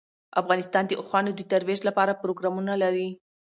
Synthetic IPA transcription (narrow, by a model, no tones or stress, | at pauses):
afɣɑnɪst̪ɑnd̪əʔʊxwɑnod̪ət̪aɾweʒlapɑɾapɾoɡɾɑmunalaɾi